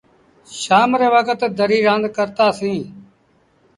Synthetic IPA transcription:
ʃaːmɾeːʋəkət̪d̪əɾiːɾãːnd̪kəɾt̪aːsĩː

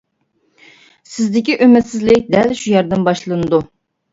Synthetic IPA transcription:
sɪzd̪ɪkʲiʔømɪt̪sɪzlɪkʲd̪ælʃujæɾd̪ɪnbɑʃlˠɨnɨd̪u

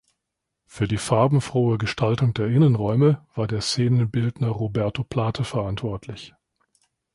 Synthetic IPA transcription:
fyːɐdiːfaɐbm̩fʁ̥oːəɡəʃtʰaltʊŋdeːɐʔɪnənʁɔʏməv̥aːɐdeːɐseːnənbɪldnɐʁobɛɐtopʰl̥aːtʰəfɛɐʔantv̥ɔɐtʰlɪç

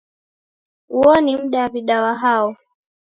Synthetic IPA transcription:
uɔnim̩ɗawaviɗawaɦaɔ

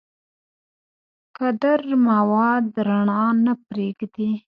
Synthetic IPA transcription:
kad̪aɾmawɑd̪ɾaɳɑnapɾeɡd̪i

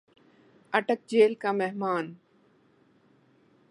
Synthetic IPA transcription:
ɐʈək̚d͡ʒeːlkameɦmaːn

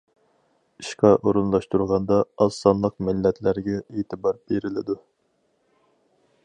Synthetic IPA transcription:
iʃqɑʔoɾunlˠɑʃt̪uɾʁɑnd̪ɑɑsːɑnlˠəqmɪlːɛt̪ʰlæɾɡʲɛeːt̪ʰɨbɑɾb̥eɾɪlɪd̪u

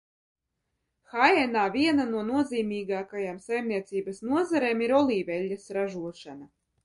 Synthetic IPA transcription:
xajɛnaːvʲiɛnanuɔnuɔziːmʲiːɡaːkajamsajmnʲiɛt̪siːbɐsnuɔzaɾeːmiɾɔlˠiːvʲɛlʲːasɾaʒuɔʃana

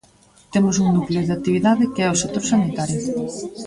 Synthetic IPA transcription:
t̪emʊsuŋnukleoðeak̚t̪iβiðaðɪkeɛoset̪oɾsanit̪aɾjo

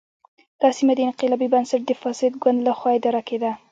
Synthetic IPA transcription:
d̪̥ɑsimad̪əɪnqɪlɑbibansaʈ̚d̪əfɑsɪd̪ɡwand̪laxwɑed̪aɾaked̪a

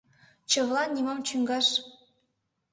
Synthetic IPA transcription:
t͡ɕɤ̆ʋlˠɑnʲimɑmt͡ɕyŋɡɑʂ

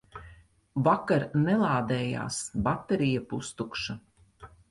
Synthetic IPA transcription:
vakaɾnɛlˠaːd̪ɛːja̰ːsbat̪ːeɾijapust̪ukʃa

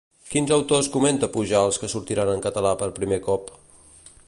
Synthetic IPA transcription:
kinzəwt̪oskument̪əpuʒaəlˠskəsuɾt̪iɾanəŋkət̪əlapəɾpɾimekɔp

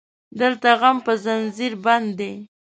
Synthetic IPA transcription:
d̪əlt̪aɣampəzanziɾband̪ːe

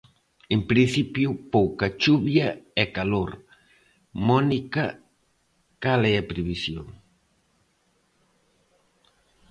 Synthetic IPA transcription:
empɾin̟θipjupowkat͡ʃuβjaɛkaloɾ | mɔnika | kaleɛpɾiβisjo̰ŋ

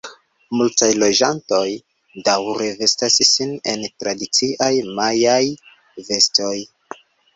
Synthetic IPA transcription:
multajlo̞d͡ʒanto̞j | dawɾe̞ve̞stassine̞ntɾadit͡siʔajmajaj | ve̞sto̞j

